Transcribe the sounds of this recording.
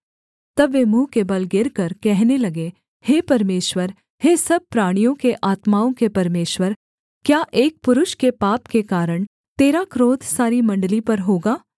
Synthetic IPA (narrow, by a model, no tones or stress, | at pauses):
t̪ɐbʋːeːmũːkeːbɐlɡɪɾkɐɾkɛɦnelɐɡe | heːpɐɾmeːʃwəɾ | heːsɐb̚pɾaːɽ̃ijõkeʔaːt̪maːõkepɐɾmeːʃwəɾ | kjaːʔeːk̚pʊɾʊʃkepaːpkekaːɾəɽ̃ | t̪eːɾakɾoːt̪ʰsaːɾimɐ̃ɳɖlipɐɾɦoːɡaː